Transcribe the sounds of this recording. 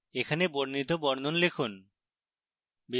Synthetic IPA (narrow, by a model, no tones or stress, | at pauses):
ekʰaneboɾnit̪obɔɾnonlekʰun | bi